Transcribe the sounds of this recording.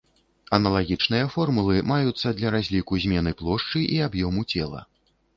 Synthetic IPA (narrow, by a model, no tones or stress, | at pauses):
ɐnɐlˠaɣʲit͡ʂnɨjɐfɔrmulˠɨmajut̪sːɐd̪lʲɐɾazʲlʲikuzʲmʲɛn̪ɨplˠɔʂt͡ʂɨʔiabjɔmut͡sʲɛlˠɐ̰